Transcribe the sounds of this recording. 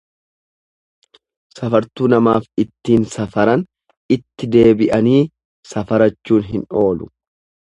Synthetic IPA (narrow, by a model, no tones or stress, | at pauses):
sɐfɐɾt̪uːnɐmaːfɪt̪ːiːnsɐfɐɾɐn | ɪt̪ːɪd̪e̞ːbɪʔɐniː | sɐfɐɾɐt͡ʃːuːnɦɪno̞ːlʊ